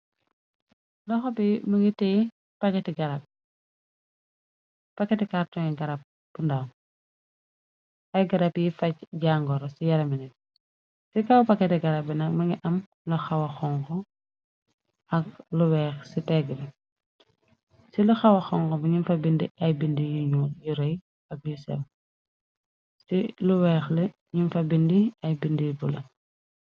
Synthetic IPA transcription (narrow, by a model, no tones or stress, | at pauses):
lɔxɔbimɐŋitɛj | pɐkːɛtiɡɐɾɐp̚ | pɐkːɐtikaɾtɔŋiɡɐɾɐp̚ | b̥unda | ɐjɡɐɾɐpjifɐcɟaːŋɡɔɾɔsijɐɾɐminɛt̚ | sikɐwpɐkːɛtiɡɐɾɐp̚binɐmɐŋɡiʔɐm | lɐxɐwɐxɔŋkɔ | ɐk̚luwɛːxsitɛɡɐɾɛ | silɐxɐwɐxɔŋkɔbiɲinfɐbindiɐjbindijuɲuːjuɾɔj | ɐbjusɛ̰w | siluwɛːxlɐ | ɲimfɐbindiɐjbindibulɐ